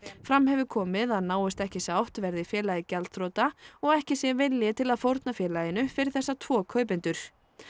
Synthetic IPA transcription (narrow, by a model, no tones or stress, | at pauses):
fɾamhɛvʏkʰɔːmɪðaðnaːwɪst̪ɛhcɪsaːwht̪vɛɾðɪfjɛːlajɪcɛlt̪θɾoːt̪aɔɣɛhcɪsjɛvɪljɪt̪ʰɪlaðfowɾt̪nafjɛːlajɪnʏfɪɾɪɾθɛsːat̪ʰv̥ɔːkʰœɥp̬ɪnt̪ʏɾ̥